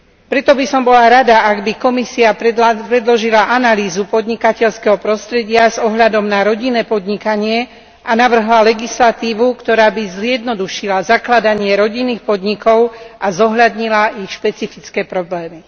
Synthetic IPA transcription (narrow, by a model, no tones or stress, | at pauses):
pɾɛt̪ɔbisɔmbɔlaɾad̪aʔaɡbikɔmisiapɾɛd̪lɔʒilaʔanaliːzupɔd̪ɲikacɛʎskɛɦɔpɾɔst̪ɾɛɟɪazɔɦʎad̪ɔmnaɾɔɟinːɛːpɔd̪ɲikaɲɪɛ | ʔanaʋr̩ɦlalɛɡislat̪iːʋukt̪ɔɾaːbizɪjɛd̪nɔd̪uʃilazaklad̪aɲɪɛɾɔɟinːiːxpɔd̪ɲikɔʊʔazɔɦʎad̪ɲilaʔixʃpɛt͡sifit͡skɛːpɾɔblɛːmi